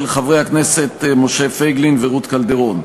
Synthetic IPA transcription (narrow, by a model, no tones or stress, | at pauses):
lχavʁehakneset̪moʃefejɡlinveʁut̪kald̪eʁo̞n